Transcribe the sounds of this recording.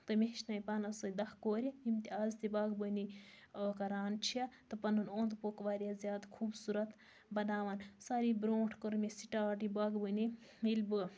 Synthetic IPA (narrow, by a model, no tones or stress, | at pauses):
t̪ɨmeʃnaːjpaːnɐsɐjd̪ɐhkoːɾʲjɐjimt̪ʲiaːzt̪ibaːɡbəni | kɐɾaːnt͡ʃʰijat̪ɐpɐnunoːnd̪pokʋaːɾʲjazʲjaːd̪kʰuːbsuɾɐt̪ | bɐnaːʋaːnsaːɾibɾoːʈʰkəɾmʲesiʈaːʈibaɡbəni | ilbɨ